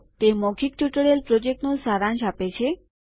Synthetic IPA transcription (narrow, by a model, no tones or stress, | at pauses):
t̪emɔkʰik̚ʈuʈɭelpɾɔd͡ʒek̚ʈnũsaɾãnʃapet͡ɕʰe